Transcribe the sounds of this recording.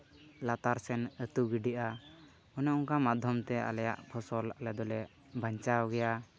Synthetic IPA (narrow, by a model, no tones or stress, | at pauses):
lat̪aɾsɛnət̪uɡiɖiʔa | ɔnɛuŋkamad̪ʱjɔmt̪ɛa̰lɛja̰ʔpʰɔsɔlalɛd̪ɔlɛʔ | bʱaɲt͡ʃawɡɛja